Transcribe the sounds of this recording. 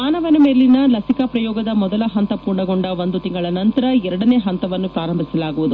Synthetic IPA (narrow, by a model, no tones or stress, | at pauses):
maːnɐʋɐnɐmeːlːinɐlɐsikɐpɾɐjɔːɡɐd̪ɐmɔd̪ɐlɐɦɐnt̪ɐpuːɾɳɐɡoɳɖɐʋo̞nd̪ut̪iŋɡɐɭɐnɐnt̪ɐɾɐɛɾɐɽɐne̞ːɦɐnt̪ɐʋɐnːupɾaːɾɐmbʱisɐlaːɡuʋud̪u